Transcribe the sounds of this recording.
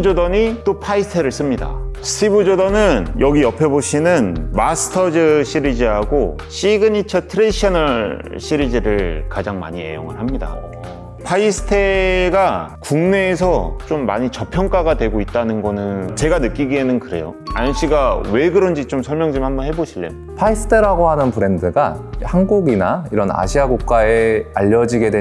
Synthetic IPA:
d͡ʑodʌɲit͈opʰaisʰtʰeɾɯɭs͈ɯmɲida̰sʰibud͡ʑodʌnɯnjʌɡiʌpʰeboɕʰinɯnmasʰɯ̥tʰʌd͡ʑɯɕʰiɾid͡ʑiɦaɡo | ɕ͈ʰiɡɯɲit͡ɕʰʌtʰɯɾeɕʰiʌnʌɭɕʰiɾid͡ʑiɾɯɭkad͡ʑaŋma̰ɲie̞̰jo̰ŋɯɭɦamɲida̰ | pʰaisʰɯ̥tʰe̞ɡakuŋne̞ːsʰʌt͡ɕomːa̰ɲit͡ɕʌpʰjʌŋk͈aɡadwe̞ɡoit̚t͈anɯnɡʌnɯnt͡ɕe̞ɡanɯk͈iɡienɯnkɯɾe̞̰joa̰jʌnɕ͈iɡawe̞ɡɯɾʌnd͡ʑit͡ɕomsʰʌɭmjʌŋd͡ʑimhambʌnɦe̞boɕʰilːḛo | pʰaisʰɯ̥tʰɯɾaɡoɦanɯnpɯɾe̞ndɯɡahanɡuɡinaiɾʌna̰ɕʰiaɡuk̚k͈aeaʎːʌd͡ʑiɡe̞dwe

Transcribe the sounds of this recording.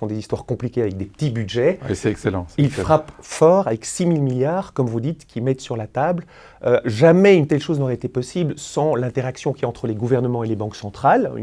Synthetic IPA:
fɔ̃d̪ezist̪waʁkɔ̃plikʲeavɛk̚d̪epə̥t̪ibyd̪ʒɛesɛɛkselɑ̰̃ilfχapfɔʁavɛksimilmiljaʁkɔmvud̪it̪kʰʲimɛt̪syʁlat̪abl | øʒamɛynt̪ɛlʃoznɔʁɛet̪epɔsiblsɑ̃lɛ̃t̪eʁaksjɔ̃kʲiaɑ̃t̪χəleɡuvɛʁnəmɑ̃elebɑ̃ksɑ̃t̪χal̰

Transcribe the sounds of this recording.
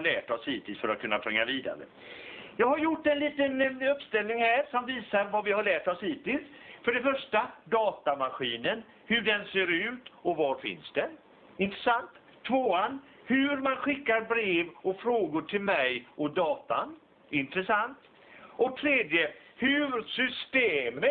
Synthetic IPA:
alæ̰ːʈɔshiːt̪ɪlsfœɾa̰t̪kʰɵnːatpʰɾɛŋːaviːd̪a̰ɾə̰ | jɑːɡhaɾjʊʈːɛnliːt̪ənɵpːst̪ɛlnɪŋhæːɾʂɔmviːsaɾvavɪhaɭæːʈɔshiːt̪ɪlsfœɖɛfœʂʈad̪ɑːt̪amaɧiːnən | hɵɖɛnseːɾʉ̟ːt̪ɔvaɾfɪ̰nsd̪ɛn | ɪnt̪ɾəsant̪ʰːvoːan | hɵɾmanɧɪkːaɾbɾeːvɔfɾoːɡʊʈʰɪlmɛjʔɔd̪ɑːt̪a̰n | ɪnt̪ɾəsant̪ | ɔt̪ʰɾeːd̪jəhʉɾsʏst̪eːmə

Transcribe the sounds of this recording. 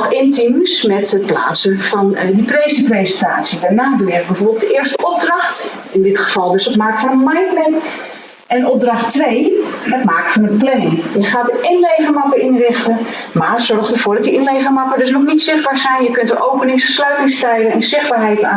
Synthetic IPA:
xɪntimsmɛtət̚pla̰ːtsəfɔndiprejsəprejzəntaːsjədanaːdəʋɪr̚bɛvoːrbəlˠtdəʔɪːərstəʔɔp̚drɑxt | ɪndɪtχə̥fɑlˠdøsətmaːkəfɔnənmajnpɛk | ʔɛndəɔp̚drɑxtʋejdətmaːk̚fɔnənplɛnjəxaːdəʔɪnlejvərmɑpərinrɪxtə | marsɔrxtəvoːdɔtdiʔɪnlejvərmɑkədøsnɔxnitsɪχbaːɹsɛjnjəkøntʋəʔowpənɪŋsslœɥtɪŋstɛjɡənɛnzɪχbaːɹɦɛjta

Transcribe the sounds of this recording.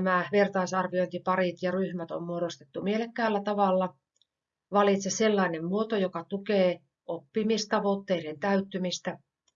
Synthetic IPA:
mæʋert̪ɑisɑrʋioint̪ipɑrit̪jɑryhmæt̪o̰mmuoɾost̪e̥t̪ːumielekːæːlːæt̪ɑʋɑlːɑ | ʋɑlit̪seselːɑinemmuot̪ojokɑt̪ukeː | ʔopːimist̪ɑʋot̪ːeiɾent̪æyt̪ːymist̪æ

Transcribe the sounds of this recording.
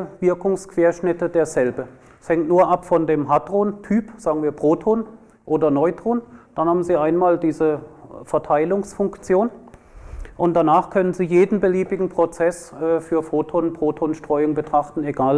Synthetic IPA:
vɪɐkʊŋskv̥eːɐʃnɪtədeːɐzɛlbə | shɛŋtnuːɐʔapfɔndeːmɦadʁoːntʰyːpz̥aːɡŋ̩viːɐpʁ̥oːtʰoːn | ʔoːdɐnɔʏdʁ̥oːnd̥anhaːbm̩ziːʔaɪnmaːldiːzəfɛɐtʰaɪlʊŋsfʊŋkt͡sjoːn | ʔʊntd̥anaːχkʰœnənziːjeːdn̩bəliːbɪɡŋ̩pʁ̥ot͡sɛsʔɛːfyːɐfoːtʰoːnpʁ̥oːtʰoːnʃtʁ̥ɔʏʊŋbətʁ̥aχtn̩eɡaːl

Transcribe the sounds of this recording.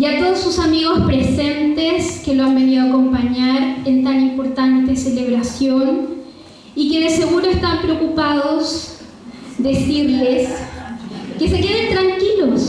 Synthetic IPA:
ʝat̪o̞ðosːusamiɣo̞spɾese̞nt̪eskeloambe̞niðoako̞mpaɲaɾent̪animpo̞ɾt̪ant̪e̞sele̞βɾasjo̞n | ike̞ðe̞se̞ɣuɾoest̪ampɾeokupaðo̞s | ðesiɾles | ke̞se̞ke̞ðe̞nt̪ɾaŋkilos

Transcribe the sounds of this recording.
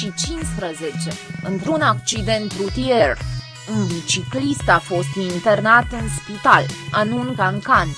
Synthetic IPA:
ʃit͡ʃinspɾəzet͡ʃe̞ɨnt̪ɾunak̚t͡ʃid̪e̞nt̪ɾut̪ier | unbit͡ʃiklist̪afo̞st̪int̪e̞rnat̪ɨnspit̪alanuŋkaŋkan

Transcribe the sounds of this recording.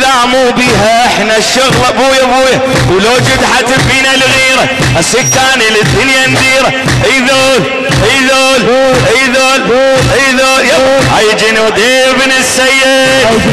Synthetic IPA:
ðaʕmuːbiːɦaʔɪħnaʃːʊɣlabuːjabuːja | wloːd͡ʒʊd̪ħat̪ɪbfiːnalɣiːɾa | ʔasɪkːaːnilit̪ɪljand̪iːɾa | ʔiðoːl | ʔiðoːlʔiðoːlʔiðoːlja | hajd͡ʒinud̪iː | bnɪsːajːɪ

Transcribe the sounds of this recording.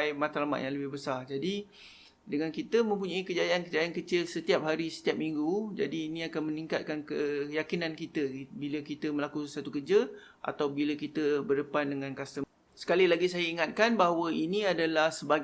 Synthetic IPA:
jmat̪alama̰ʔ̪jãŋləbɪhbəsard͡ʒadi | dəŋãnkit̪əmə̃mpuɲaikəd͡ʒajaankəd͡ʒajankət͡ʃilsət̪iap̚ɦaɾisə̥t̪iap̚miŋɡud͡ʒa̰diːnĩakanməniŋkat̪̚kankəkəjakinankit̪əbiləkit̪əmə̃lakusat̪ukərd͡ʒə | ʔa̰t̪awbiləkit̪əbərdəpandəŋãnkast̪ə | sə̥kalilaɡisajəiŋat̪̚kanbaɦawəinĩadalahsəba

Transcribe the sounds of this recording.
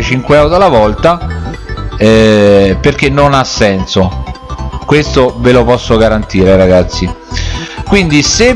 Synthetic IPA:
et͡ʃiŋkweɛwd̪alavɔlt̪a | ɛperk̟enːonasːɛnso | kwest̪ovelopɔsːoɡaɾant̪iːɾeɾaɡat̪sːi | kwind̪ise

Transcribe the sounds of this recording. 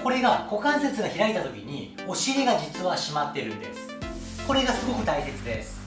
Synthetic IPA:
ko̞ɾe̞ɡako̞kãɰ̃se̞t͡sɨɡaçiɾait̪at̪o̞kʲiɲ̟i | o̞ɕiɾe̞ɡad͡ʑit͡sɨβaɕimat̪ːe̞ɾɯ̟̃nd̪e̞̰sɨ̥ | ko̞ɾe̞ɡasɨɡo̞kɯ̟t̪aise̞t͡sɨd̪e̞sɨ̥

